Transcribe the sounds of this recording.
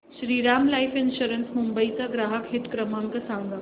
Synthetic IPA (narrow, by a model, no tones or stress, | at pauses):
ʃɾiːɾamlajfinɕuɾənsmumbəit͡saɡɾaːɦəkɦit̪kɾəmãŋkəsãŋɡa